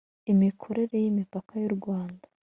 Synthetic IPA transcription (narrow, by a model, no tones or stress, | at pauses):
imikʰo̞ɾe̞ɾe̞jimipakʰajuɾɡwaːndḁ